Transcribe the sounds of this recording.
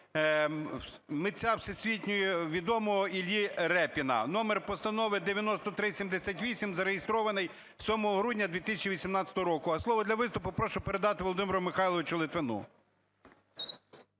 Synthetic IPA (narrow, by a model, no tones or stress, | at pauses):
mɪt͡sʲawsesʲʋʲitʲnʲʊjɛʋʲid̪ɔmɔɦɔilʲiɾɛpʲinɐ̰nɔmerpɔst̪ɐnɔʋɪd̪eʋʲjɐnɔst̪ɔt̪ɾɪsʲimd̪esʲatʲʋʲisʲimzɐɾejest̪ɾɔʋɐnɪj | sʲɔmɔɦɔɦɾudʲnʲɐd̪ʋʲit̪ɪsʲɐt͡ʃiʋʲisʲimnɑtt͡sʲɐ̥t̪ɔɦɔɾɔkʊɐslˠɔʋɔd̪lʲɐʋɪst̪ʊpʊpɾɔʃʊpeɾed̪ɑt̪ɪʋoɔlˠɔd̪ɪmʲɪɾʊmɪxɑjlˠɔʋɪt͡ʃʊlˠɪt̪ʋenṵ